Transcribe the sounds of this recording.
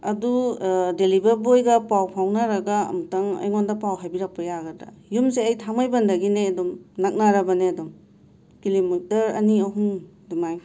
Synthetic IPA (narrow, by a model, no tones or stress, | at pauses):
ɐdudelibɐɾbojɡɐpawpʰawnaɾɐɡaɐ̰mutɐŋɐ̰jŋondɐpawɦajbiɾak̚pɐjaɡɐdɐ̰jumseɐjtʰamajbɐndɐɡineɐdumnak̚naɾɐbɐneɐdum | kilimitɐɾɐ̰niɐɦum | dumaj